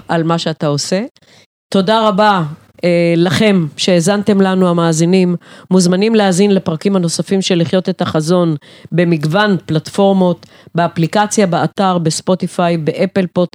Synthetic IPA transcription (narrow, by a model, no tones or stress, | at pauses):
ʔalmaʃeatao̞se̞ | to̞daʁaba | laχe̞mʃe̞ːzante̞mlanuamaːzinimːuzmanimleazinlepʁakimhano̞safimʃe̞liχjo̞te̞taχazo̞nbe̞miɡvanplatfo̞ʁmo̞t̪ | beaplikat͡sjabeataʁbe̞spo̞t̪ifajbeʔepe̞lpo̞t